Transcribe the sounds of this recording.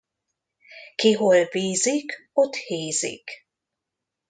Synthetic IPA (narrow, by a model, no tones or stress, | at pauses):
kiɦolviːzikot̪heːzḭk